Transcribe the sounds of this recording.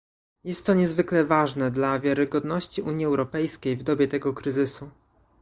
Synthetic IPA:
jɛst̪ːɔɲɛzvɘklɛvaʐnɛd̪lavʲjaɾɘɡɔd̪nɔɕt͡ɕiʔuɲjiɛwɾɔpɛjskʲejvd̪ɔbʲjɛt̪ɛɡɔkɾɘzɘsu

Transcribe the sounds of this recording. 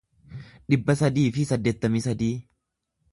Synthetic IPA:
ᶑɪbːɐsɐd̪iːfɪsɐd̪ːeːt̪ːɐmisɐd̪iː

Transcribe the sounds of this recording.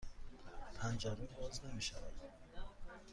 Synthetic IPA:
p̪ʰænd͡ʒaɾibɔznemiʃava̰d̪

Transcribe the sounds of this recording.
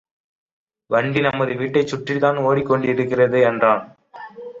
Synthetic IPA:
ʋɐɳɖinɐmːɐðɯʋiːʈːɐɪt͡ʃːʊʈrɪt̪aːnoːɽikːɔɳɖɯɪɾɯkːɪrɐðɯɛndraːn

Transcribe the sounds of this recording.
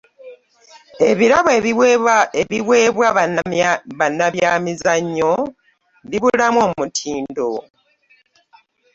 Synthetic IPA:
e̞βiɾaβe̞βieβiβwe̞ːβwa | βanːaβjaːmizaɲːo̞ | βiβulamo̞ːmmutʰiːndo̞

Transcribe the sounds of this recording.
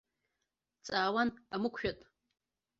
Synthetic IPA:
t͡sʼaːwanamɨkʷʰʃᶣatʼ

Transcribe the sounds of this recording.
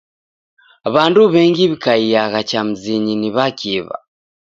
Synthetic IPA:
βanduβɛŋɡiβikaijaɣat͡ʃam̩ziɲiniβakʰiβa̰

